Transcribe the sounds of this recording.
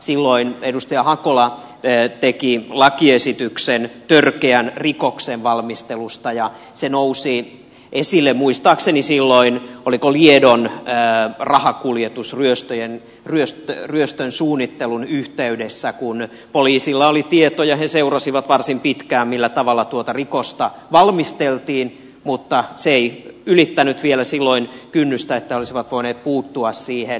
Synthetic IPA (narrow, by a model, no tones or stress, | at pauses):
silːoinedust̪ɑjɑhɑkolɑ | t̪ekilɑkiesit̪yksent̪ørkeænrikokseʋʋɑlmist̪elust̪ɑjɑ | senousi | ʔesilːemmuist̪ɑːksenisilːoinolikoliedonː | rɑhɑkuljet̪usryøst̪øjen | ryøst̪øryøst̪ønsuːnːit̪ːelunyht̪eydesːækun | poliːsilːɑolit̪iet̪ojɑheseurɑsiʋɑt̪ʋɑrsimpit̪kæːmmilːæt̪ɑʋɑlːɑt̪uot̪ɑrikost̪ɑʋɑlmist̪elt̪iːn | mut̪ːɑseeiylit̪ːænyt̪ʋielæsilːoinkynːyst̪æet̪ːæeolisiʋɑt̪ʋoineːt̪̚puːt̪ːuɑssiːhen